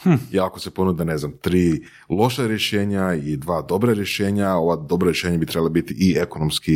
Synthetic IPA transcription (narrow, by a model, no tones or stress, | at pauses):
h̩jeako̞se̞po̞nud̪ane̞znamt̪ɾiː | lˠo̞ʃaɾje̞ʃe̞ːɲaid̪ʋaːd̪o̞bɾaɾje̞ʃe̞ːɲao̞ʋad̪o̞bɾoɾjeʃeːɲabit̪ɾɛbalobit̪iʔieko̞nomski